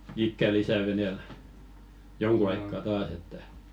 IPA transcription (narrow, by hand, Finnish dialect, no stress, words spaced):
ikːæ lisæˑ ʋeneˑl joŋku ɑikːɑ tɑːs etːæ